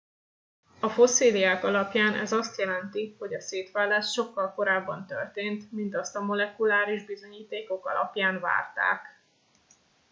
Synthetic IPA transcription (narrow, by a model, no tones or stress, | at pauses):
ɒfo̞seːliaːkɒlɒpjaːnɛ̰zɒst̪jɛlɛnt̪iho̞ɟɒseːt̪ʋɛlːɛt̪ʃo̞kːɒlko̞ɾaːbːɒnt̪ø̰rt̪eːnt̪mint̪ɒst̪ɒmo̞lɛkulaːɾiʒbizo̞ɲiːt̪eːko̞kɒ̰lʔɒ̰pjaːnva̰ːrt̪a̰ːk